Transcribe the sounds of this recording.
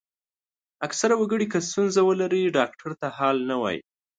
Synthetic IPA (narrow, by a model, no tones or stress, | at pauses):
aksaɾawaɡəɽikəs̬t̪unzawəlaɾiɖɑk̚ʈʰaɾt̪ahɑlnawɑ̰jḭ